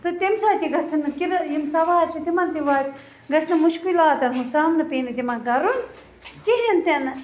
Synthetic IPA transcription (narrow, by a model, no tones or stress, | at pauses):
t̪ɨt̪emsaːt̪iɡɐsɐnɨkiɾjimsɐʋaːɾt͡ʃʰit̪imɐnt̪iʋaːt̪ʲ | ɡɐsʰnɐmuʃkilaːt̪ɐnɦusaːmnɐpeːnɐt̪imɐnɡɐɾun | kiɦent̪enɐ